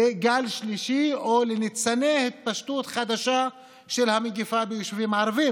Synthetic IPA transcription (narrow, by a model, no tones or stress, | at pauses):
eɡalʃliʃiolenit͡sanehit̪̚paʃt̪ut̪χad̪aʃa | ʃelhameɡifabejoʃvimaʕaɾavi